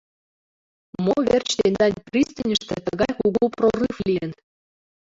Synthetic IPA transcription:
moβert͡ɕt̪end̪ɑnʲprʲist̪ənʲə̆ʃt̪ĕt̪əɣɑjkuɣuprorɨfliən

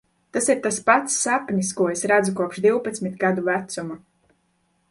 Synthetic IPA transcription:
t̪asiɾt̪aspat̪sːapnʲiskuɔesɾad̪zukuɔpʃd̪iwpat̪smit̪ɡad̪uvæt̪suma

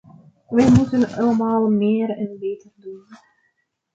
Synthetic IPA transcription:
ʋɛjmutənɑləmaːlˠmeːɾɛnbeːtərdun

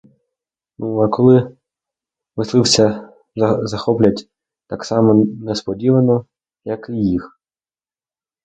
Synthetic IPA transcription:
nuɐkɔlˠɪ | ʋɪslˠɪwsʲɐ | zɐxɔplʲɐtʲ | t̪ɑksɑmɔnɛspɔdʲiʋɐnɔ | jɐkɪjix

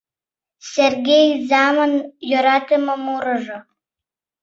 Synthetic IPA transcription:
sʲerɡʲejzɑmanjøɾɑt̪əməmuɾəʒŏ

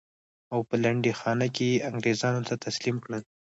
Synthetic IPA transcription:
awpəlaɳɖexɑnakejeaŋɡɾezɑnot̪ʰat̪aslimkɽəl

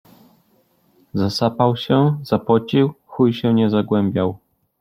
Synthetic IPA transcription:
zasapawɕɛzapɔt͡ɕiwxujɕɛɲɛzaɡwɛmbʲjaw

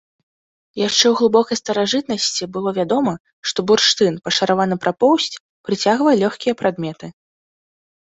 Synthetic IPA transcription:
jaʂt͡ʂɛwɣlˠɨbɔkɐjst̪ɐɾaʐɨt̪nɐsʲt͡sʲibɨlˠɔvʲad̪ɔmɐ | ʂt̪ɔburʂt̪ɨnpɐʂɐɾavanɨpɾʔapɔwsʲt͡sʲ | pɾɨt͡sʲaɣvɐjɛlʲɔxʲkʲijɐpɾad̪mʲɛt̪ɨ

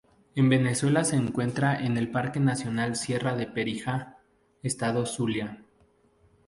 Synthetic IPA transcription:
e̞mbe̞ne̞swe̞lase̞ːŋkwe̞nt̪ɾaʔe̞ne̞lpaɾke̞nasjo̞nalsje̞raðe̞pe̞ɾixa | est̪aðo̞sulja

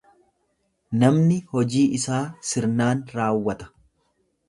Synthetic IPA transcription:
nɐmnɪhɔd͡ʒiːɪsaːsɪɾnaːnɾaːwːɐt̪ɐ̥

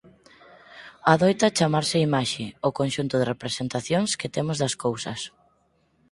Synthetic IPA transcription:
aðojt̪ɐt͡ʃamaɾsɪimaʃɪokonʃunt̪ʊðɪrepɾesent̪aθjoŋskɪt̪emʊzðɐskowsɐs

